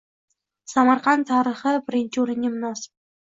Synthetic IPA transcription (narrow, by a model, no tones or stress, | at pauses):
samaɾqan̚t̪ʰaːɾɪχɪbɪɾɪnt͡ʃʰɪoɾɪŋʲɪmʊnɒsɪ̥b̚